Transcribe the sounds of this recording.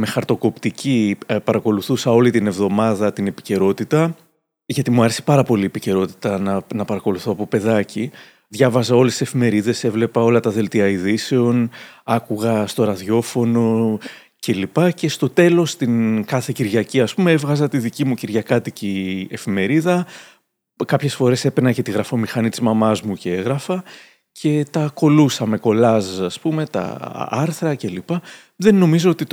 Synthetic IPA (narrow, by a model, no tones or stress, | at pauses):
me̞xɐɾt̪o̞ko̞pt̪icipɐɾɐko̞luθusɐo̞lit̪ine̞vðo̞mɐðɐt̪ine̞pi̥ce̞ɾo̞t̪it̪ɐ | ʝɐt̪imuɐɾe̞se̥pɐɾɐpo̞liepice̞ɾo̞t̪i̥t̪ɐnɐnɐpɐɾɐko̞luθo̞ɐpo̞pe̞ðɐci | ðʝɐvɐzɐo̞lesise̞fime̞ɾiðe̞se̞vle̞pɐo̞lɐt̪ɐðe̞lt̪iɐiðise̞o̞nɐkuɣɐst̪o̞ɾɐðʝo̞fo̞no̞ | ce̞lipɐce̞st̪o̞t̪e̞lo̞st̪inkɐθe̞ciɾʝɐciɐspumeevɣɐzɐt̪iðicimuciɾʝɐkɐt̪icie̞fime̞ɾiðɐ | kɐpçe̞sfo̞ɾe̞se̞pe̞nɐcet̪iɣɾɐfo̞mixɐnit̪izmɐmɐzmuceeɣɾɐfɐ | cʰe̞t̪ɐko̞lusɐme̞ko̞lɐsɐspume̞t̪ɐ̰ɐ̰ɾθɾɐcelipɐ | ðe̞nːo̞mizo̞ot̪i